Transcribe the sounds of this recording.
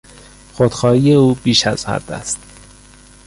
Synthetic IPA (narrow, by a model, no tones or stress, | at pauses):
xod̪̥xɒːhije̞uːbiːʃæz̥hæ̰d̪æ̰st̪